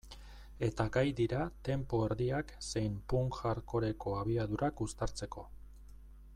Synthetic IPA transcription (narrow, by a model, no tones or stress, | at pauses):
e̞t̪aɡajd̪iɾat̪e̞mpoeɾðiakse̞jmpuŋkɣaɾko̞ɾe̞ko̞aβ̞iaðuɾakust̪aɾt͡se̞ko̞